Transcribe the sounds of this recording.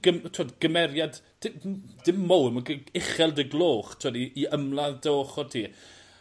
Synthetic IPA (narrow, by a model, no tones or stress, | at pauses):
ɡ̥əmtʰuwadɡ̥əmɛɾjad | d̥ɪd̥ɪmːowəməɡəɪχɛlˠdəɡlˠoːχtʰʊwadiːəmlˠadoːχɔtʰiː